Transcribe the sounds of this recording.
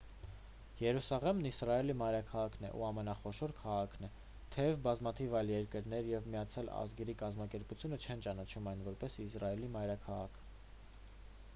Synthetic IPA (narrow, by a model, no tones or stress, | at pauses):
jɛɾusɑʁɛmnisrɑɛlimɑjɾɑkʰɑʁɑkʰnɛ̰ʔṵɑmɛnɑχɔʃɔɾkʰɑʁɑkʰn̪ɛ | t̪ʰɛvbɑzmɑt̪ʰivɑjljɛɾkəɾnɛɾjɛvmijɑt͡sʰjɑlɑ̰zɡɛɾikɑzmɑkɛɾput͡sʰjunət͡ʃʰɛnt͡ʃɑnɑt͡ʃʰumɑjnvɔɾpɛsisrɑɛlimɑjɾɑkʰɑʁɑ̰kʰ